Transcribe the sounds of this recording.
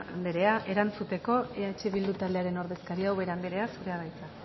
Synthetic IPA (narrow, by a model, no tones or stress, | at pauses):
a̰nd̪eɾe̞aʔe̞ɾant͡sut̪e̞ko̞e̞at͡ʃe̞βild̪ut̪ald̪e̞aɾe̞no̞ɾðe̞skaɾiawβe̞ɾand̪eɾe̞asuɾe̞aðajt͡sa